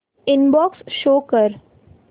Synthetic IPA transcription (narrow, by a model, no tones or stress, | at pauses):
ɪnbɔːksʃoːkəɾ